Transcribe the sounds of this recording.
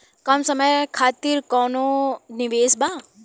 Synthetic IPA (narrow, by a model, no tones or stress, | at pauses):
kɐmsɐməjkʰaːt̪iɾkɔːnoniʋeːsbaː